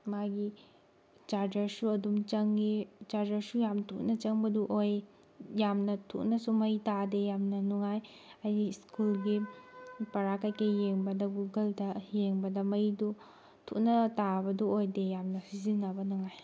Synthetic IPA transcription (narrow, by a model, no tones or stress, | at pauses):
maɡi | t͡ʃaɾd͡ʒɐɾsuɐdumt͡ʃɐŋɡit͡ʃaɾd͡ʒɐɾsujamntʰuk̚nɐt͡ʃɐŋbɐduʔoj | jamnɐtʰṵʔnɐsumɐjtadejamnɐnuŋaj | ɐjiskulɡi | pɐɾakajkɐjeŋbɐdɐɡuɡɐldɐjeŋbɐdɐmɐjdu | tʰṵʔ̚nɐtabɐduojdejamnɐsizinːɐbɐnuŋaj